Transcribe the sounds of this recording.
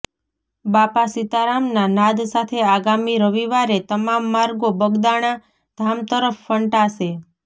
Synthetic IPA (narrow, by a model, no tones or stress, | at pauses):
bapasit̪aɾamnanad̪sat̪ʰeaɡamiɾəʋiʋaɾet̪əmamːaɾɡobəɡd̪aɽ̃a | d̪ʱamt̪əɾəfːəɳʈaʃe